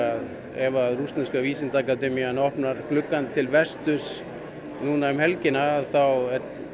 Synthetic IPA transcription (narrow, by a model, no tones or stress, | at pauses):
að | ɛvaðrust̪anskaviːsɪnt̪aːkat̪ɛːmijanɔhpnaɾ̥klʏkːant̪ʰɪlvɛst̪ʏs | nuːnaɛmhɛlcɪnaːðθawɛɾ